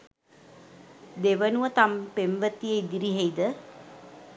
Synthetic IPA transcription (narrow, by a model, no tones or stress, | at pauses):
d̪eʋənuət̪ampemʋət̪iejd̪iɾiɦejd̪ə